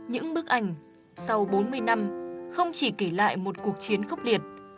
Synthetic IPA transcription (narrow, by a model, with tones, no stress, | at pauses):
ɲɨ̰˧˥ŋɓɨ˦˥ək̚ʔa˧˩jŋ̟ | sa˧wɓo˨˦nmɨ˧əjna˧mxə˧wŋ͡mt͡ɕi˧˩ke˧˩la̰ː˧˨jmo˨˩t̚ku˨˩ək̚t͡ɕi˨˦ənxə˦˥wk͡p̚li˨˩ət̚